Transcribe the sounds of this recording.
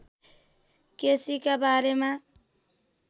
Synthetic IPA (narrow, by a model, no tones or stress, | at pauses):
kesikabaɾema